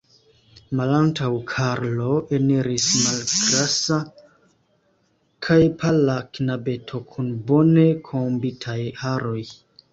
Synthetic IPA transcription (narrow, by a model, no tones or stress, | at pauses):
malantʰawkʰaɾlo̞eniɾismalɡɾasa | kʰajpʰalakinabe̞tʰo̞kʰunbo̞ne̞kʰombitʰajaɾo̞j